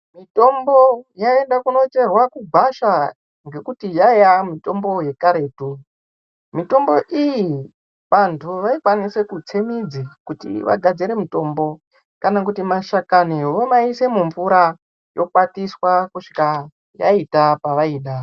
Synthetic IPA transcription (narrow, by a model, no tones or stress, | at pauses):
mito̞mbo̞jae̞ndakuno̞t͡ʃe̞rwakuɡʱaʃa | ŋɡe̞kutijajamito̞mbo̞je̞kaɾe̞ːtu | mito̞mbo̞ʔiji | ʋantʰuʋaikwanise̞kut͡semid͡zikutḭʋa̰ɡʱad͡ziɾe̞mito̞ːmbo̞ | kanak̬utimaʃakaniʋomaise̞muɱvuɾa | jo̞kwatiswakuʂi̥ka | ja̰itapaʋaiːɗa